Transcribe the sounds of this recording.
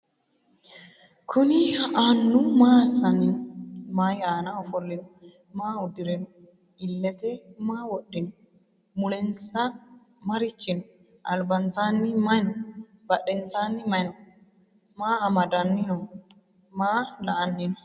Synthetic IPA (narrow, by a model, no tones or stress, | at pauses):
kʰʊnɪʔaːnːʊmaːsɐnːɪnɔmajɪaːnaɔfɔlːɪnɔ | maːʊd̪ɪɾɪnɔ | ɪlːɛt̪ɛmaːwɔɗːɪnɔ | mʊlɛnsɐ | mɐɾɪt͡ʃːɪnɔ | ʔɐ̰lbɐnsaːnːɪmɐnɔ | bɐɗɛnsaːnːɪmɐnɔ | maːɐmɐd̪ɐnːɪnɔ | maːlɐʔɐnːɪnɔ